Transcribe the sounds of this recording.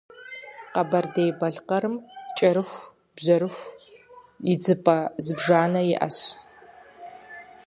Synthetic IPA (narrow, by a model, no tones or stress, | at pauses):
qɐbɐrdejbɐɮqɐɾɨmt͡ʃʼɐɾɨxʷ | bʑɐɾɨxʷ | ɪd͡zɨpʼɐzɨbʒaːnɐjɪʔɐ̰ɕ